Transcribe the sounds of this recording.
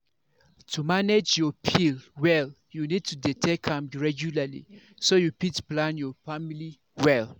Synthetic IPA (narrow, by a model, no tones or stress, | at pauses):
tʰumaned͡ʒjɔpʰilwɛl | junid̚tʰuditʰɛkʰãmɹɛɡjulalḭ | sojupitplãnjɔfamili | wɛl